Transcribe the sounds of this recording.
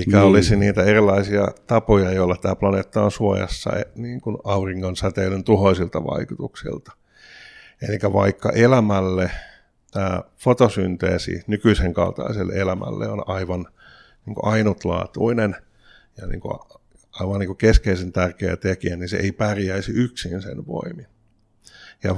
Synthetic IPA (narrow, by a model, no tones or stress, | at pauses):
eikæolisiniːt̪æerilːˑɑisiɑt̪ɑpojɑejoolːɑt̪æːplɑneːt̪ːɑːnsuojɑ̰sːɑ̰eniːŋkunɑuriŋːonsæt̪eilønt̪uhoisilt̪ɑʋɑ̰ikut̪uksḭlt̪ɑ̥ | elikæʋɑikːɑ̰ʔelæmælːe | t̪æːfot̪osynt̪ḛːsḭnykyiseŋkɑ̰lt̪ɑ̰iselːeelæmæ̰lːḛonɑiʋɑn | niːŋko̰ʔɑinut̪lɑ̰ːt̪uinen | jɑnḭːŋko̰ | ɑiʋɑnniŋkukeskeisent̪ærkeæ̰t̪ekiænisḛʔeipærjæisiyksinsḛnʋo̰imin | jɑ